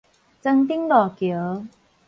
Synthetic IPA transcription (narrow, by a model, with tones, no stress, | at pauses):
t͡sə˧ŋt̪̬i˥ŋlɔː˨˩kjo˨˦